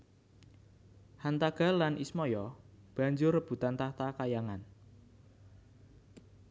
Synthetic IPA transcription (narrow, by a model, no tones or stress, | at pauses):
hant̪aɡ̥a̤lanʔismɔjɔb̥a̤ɲd͡ʒʊrːəb̥ṳt̪ant̪aht̪akajaŋan